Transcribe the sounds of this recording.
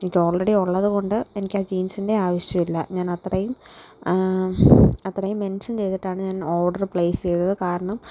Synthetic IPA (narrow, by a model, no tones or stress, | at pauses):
enikʲːo̞ːɭreɽioɭːɐðɨɣo̞ɳɖɨe̞nikʲːaːd͡ʑiːnsinde̞aːʋɐʂjɐmilːɐ̰ɲaːnɐt̪rɐjum | ɐt̪ːrɐjumːe̞nʂɐnt͡ɕe̞jt̪iʈːaːɳɨɲaːno̞ːɖɐrpɭe̞ːsɨ̥t͡ɕe̞jt̪ɐðɨkaːɾɐɳɐm